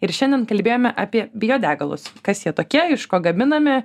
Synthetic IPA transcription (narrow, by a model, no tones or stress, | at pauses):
ɪɾʃʲɛnʲd̪ʲɛnkɐlʲbʲeːjoːmʲɛʔaːpʲiɛbʲɪjoːd̪ʲæːɡɐlˠʊ̰skɐsjiɛt̪oːkʲiɛɪʃkoːɡɐmʲɪnɐmʲɪ